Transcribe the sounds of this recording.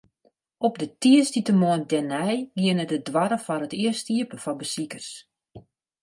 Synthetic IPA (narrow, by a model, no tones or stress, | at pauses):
ʔɔp̚dətiəstitəmoəndɛnɛjɡiənətədʋaɾəfɔɾətiəstiəpəfɔbəsikərs